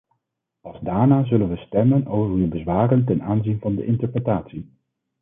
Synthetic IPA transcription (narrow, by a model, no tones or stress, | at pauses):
pɑzdaːɹnaːzɵlənʋəstɛmənowvəɹɦybəzʋaːrənt̬ɛnaːnzinvɑndə̰ʔɪntəɹprətaːtsi